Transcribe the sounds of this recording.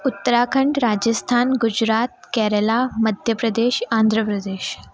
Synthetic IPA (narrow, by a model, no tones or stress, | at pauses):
ut̪ːəɾakʰəɳɖɾad͡ʑəst̪ʰanɡud͡ʑɾat̪̚kɛɾəlaməd̪ʱjəpɾəd̪eɕand̪ʱɾəpɾəd̪eɕ